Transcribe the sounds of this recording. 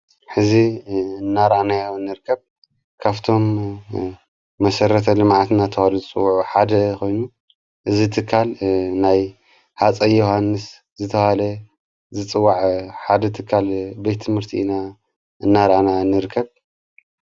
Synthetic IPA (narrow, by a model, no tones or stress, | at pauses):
ħɨziɨnːaɾʔanajaɨnːɨɾɨkʰːɐβ | kʰaβt̪ʰo̞m | ɐsɐɾɐt̪ʰɐlɨmʕat̪nat̪ʰɐhaluzɨt͡sʼɨwːuʕuħad̪ɐkʰo̞jnu | ʔɨzit̪ʰɨkʰːalnaj | hat͡sʼɐjohanːɨs | zɨt̪ʰɐalɐ | zɨt͡sʼɨwːaʕħad̪ɐt̪ʰɨkʰːalbet̪t̪ʰːɨmɨɾt̪ʰḭʔɨna | ɨnːaɾʔanaɨnːɨɾɨkʰːɐβ